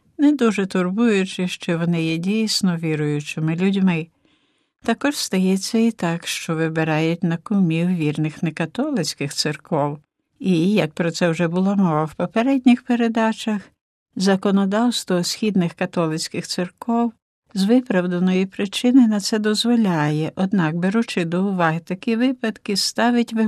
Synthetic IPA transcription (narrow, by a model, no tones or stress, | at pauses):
nɛd̪uʒɛt̪ʊrbujʊt͡ʃɪʃt͡ʃɔʋɔnɪjɛdʲijsʲnɔʋʲiɾʊjʊt͡ʃɪmɪlʲʊdʲmɪ | t̪ɐkɔʒst̪ɐjɛt͡sʲːɐit̪ɑkʃt͡ʃɔʋɪbeɾɑjʊtʲnɐkʊmʲiwʋʲirnɪxnɛkɐt̪ɔlˠɪt͡sʲkɪxt̪sɪrkɔw | ijɐk̚pɾɔt̪sɛwʒɛbʊlˠamɔʋɐwpɔpeɾɛdʲnʲixpeɾed̪ɑt͡ʃɐx | zɐkɔnɔd̪ɑwst̪ʋɔsʲxʲid̪nɪxkɐt̪ɔlˠɪt͡sʲkɪxt̪sɪrkɔw | zʋɪpɾɐwd̪ɐnɔjipɾɪt͡ʃɪnɪnɐt̪sɛd̪ɔzʋɔlʲɑjɛʔɔd̪nɑk̚beɾut͡ʃɪd̪ɔʊʋɑɦɪt̪ɐkʲiʋɪpɐd̪kɪst̪ɑʋɐtʲʋɪ